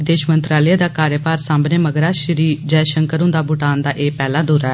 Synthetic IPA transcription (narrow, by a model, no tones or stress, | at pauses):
ɪd̪eːʃmənt̪ɾaːləjaːd̪aːkaːɾjəpaːɾsãːmbneːməɡɾaːʃəɾiːd͡ʒɛːʃəŋkəɾʊ̃nd̪aːbʊʈaːnd̪aːʔeːpɛːlaːd̪uːɾɛː